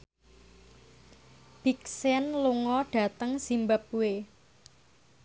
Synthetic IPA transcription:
b̥iksɛnluŋɔɖ̥a̤t̪əŋsimbap̚uwe

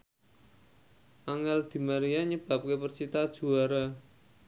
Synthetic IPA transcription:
ʔaŋɛld̪̥i̤maɾiaɲəb̥a̤p̚kepərt͡ʃit̪ad̥ʒ̥ṳaɾa

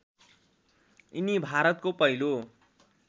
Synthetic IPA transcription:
inibʱaɾʌt̪̚kopʌilo

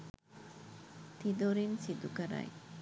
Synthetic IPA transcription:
t̪id̪oɾinsid̪ukaɾa̰j

